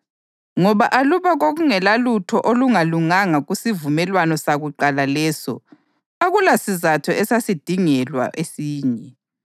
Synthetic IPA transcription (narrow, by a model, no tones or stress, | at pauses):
ŋɔβaʔaluβaɣoɣuŋɛlalutʰɔʔoluŋaluŋaŋaɣusivumɛlwanɔsaɣuǃalalɛːsɔ̰ | aɣulasizatʰɔɛsasid̥ʱiŋɛlwa̰ʔesiːɲɛ